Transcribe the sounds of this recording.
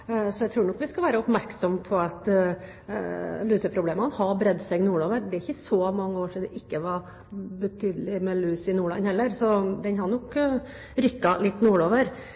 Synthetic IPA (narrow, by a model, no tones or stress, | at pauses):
sɔæɪt̪ɾuːɾɳɔkːʋɪskɑlʋæːɾəɔpmæɾksɔmpʰɔɑt̪ | lyːsəpʰɾʊbleːmɑnhɑbɾɛd̪sɛɡnuːɭoːʋəɾd̪ɛæɾɪçəsɔmɑŋːəoːʂid̪ɛʔɪkːəʋɑ | bət̪ʰyːd̪əlɪmɛlyːsɪnuːɭɑ̰nhɛlːəɾsɔd̪ɛnhɑɾnɔk | ɾʏkːɑlɪt̪ːnuːɭoːʋəɾ